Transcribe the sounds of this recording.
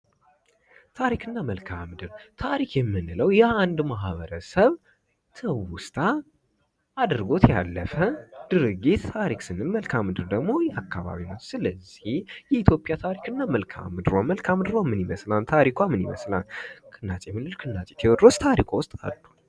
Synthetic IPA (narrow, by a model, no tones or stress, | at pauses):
t̪ʰaɾikʰɨnːaməlkʰamɨd̪ɨɾt̪ʰaɾikʰjɛmːɨnɨləwjɛand̪maɦβəɾəsəβ | t̪ʰəwʊst̪ʰʼaː | ad̪ɨɾɡo̞t̪jalːəfəd̪̥ɨɾɨɡit̪t̪ʰaɾiksɨnːɨnməlkʰamɨd̪ɨɾd̪əɡmo̞jɛakʰːaβa̰βinəwsɨləzːihjɛit̪ʰjo̞pʼjat̪ʰaɾikʰɨnːaməlkʰa̰mɨd̪ɨɾoməlkʰamd̪ɨɾomːɨniməslant̪ʰaɾikʰʷamːɨnḭmə̰sla̰lkʰɨnːat͡ʃʼemɨnɨlkʰɨnːat͡ʃʼe̥t̪ʰewɔd̪ost̪ʰaɾikʰʷawʊst̪ʼa̰lːu